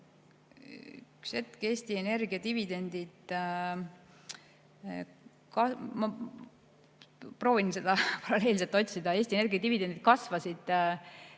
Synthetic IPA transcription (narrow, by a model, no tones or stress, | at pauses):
y̰kse̞t̪ke̞ːst̪iene̞rɡiɑt̪ivid̪e̞nd̪̥id̪̥ | kɑmɑ | pro̞ːvinse̞d̪ɑpɑɾɑle̞ːls̬elt̪ːo̞t̪ʲsid̪̥ɑe̞ːsʲt̪inerɡijɑt̪ivid̪̥e̞nd̪it̪̚kɑsvɑsid̪̥